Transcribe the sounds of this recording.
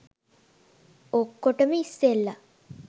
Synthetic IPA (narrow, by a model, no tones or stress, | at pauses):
okːoʈəməisːelːa